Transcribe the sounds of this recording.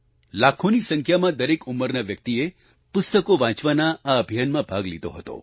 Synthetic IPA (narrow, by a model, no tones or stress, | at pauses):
lakʰonisə̃ŋkʰjamãd̪əɾekuməɾnaʋjək̚t̪ie | pʊst̪əkoʋãt͡ʃʋanaːəbʱijanmãbʱaɡlḭd̪o̰ɦət̪o̰